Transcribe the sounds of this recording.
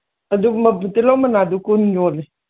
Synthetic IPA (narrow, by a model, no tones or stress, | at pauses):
ad̪umat̪ilomanad̪ukunɲoli